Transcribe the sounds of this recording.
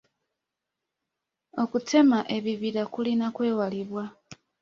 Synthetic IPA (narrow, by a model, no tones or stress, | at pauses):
o̞kutʰe̞maʔe̞βiβiɾakulinakwe̞ːwaliβwa